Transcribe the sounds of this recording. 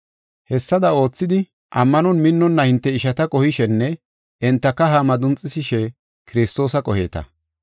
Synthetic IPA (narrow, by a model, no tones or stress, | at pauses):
hɛsːɐd̪ɐo̞ːt͡sːɪd̪ɪ | ʔɐmːɐnɔnmɪnːɔnːɐhɪnt̪ːɛɪʃɐt̪ɐkʼɔhɪʃɛnːɛ | ɪnt̪ːɐkːɐɦamɐd̪ʊnt͡sʼːɪsɪʃɛ | kɪɾɪst̪o̞ːsɐkʼɔhḛːt̪ɐ̰